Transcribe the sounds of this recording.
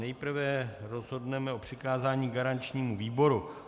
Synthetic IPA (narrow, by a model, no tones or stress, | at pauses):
nɛjpr̩vɛɾo̞zɦo̞dnɛmɛo̞pr̝̥ɪkaːzaːɲiːɡaɾant͡ʃɲiːmuviːbo̞ɾu